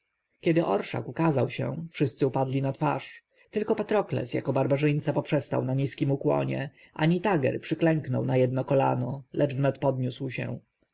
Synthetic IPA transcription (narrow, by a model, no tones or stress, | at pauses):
kʲɛd̪ɘʔɔɾʂa̰kukazawɕɛ̰fʂɘst̪sɘupad̪lʲinat̪fa̰ʂ | t̪ɘlkɔpat̪ɾɔklɛ̰sja̰kɔbaɾbaʐɘjnt̪sapɔpʂɛst̪a̰wnaɲiskʲimukwɔ̰ɲɛ̰ | ʔa̰ɲit̪aɡɛ̰ɾpʂɘklɛŋknɔwnajɛd̪nɔkɔla̰nɔlɛd͡ʐvnɛt̪pɔd̪ɲuswɕɛ̰̃